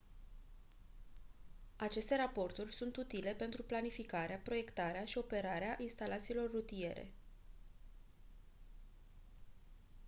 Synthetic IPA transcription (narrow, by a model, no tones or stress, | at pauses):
at͡ʃe̞st̪e̞ɾapo̞rt̪urʲsunt̪ut̪ile̞pe̞nt̪ɾuplanifikaɾeapɾo̞je̞kt̪aɾeaʃio̞pe̞ɾaɾeaʔinst̪alat̪siːlo̞rːut̪ije̞̰ɾe̞̰